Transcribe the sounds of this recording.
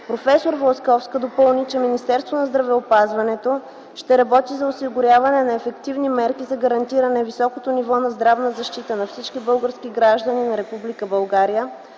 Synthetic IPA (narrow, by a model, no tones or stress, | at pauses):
pɾofɛsoɾvoskɔfskəd̪opɤlˠnit͡ʃɛminist̪ɛɾst̪vonɐzd̪ɾɐvɛopazvɐnɛt̪o | ʃt̪ɛɾɐbɔt̪izɐosiɡʊɾʲjavɐnɛnɐɛfɛkt̪ivnimɛɾkizɐɡɐɾɐnt̪iɾɐnɛvisɔkot̪onivɔnɐzd̪ɾavnəzɐʃt̪it̪ənɐfsit͡ʃkibɤlˠɡəɾsk̟iɡɾaʒd̪əninɐɾɛpublikəbɐlˠɡaɾijə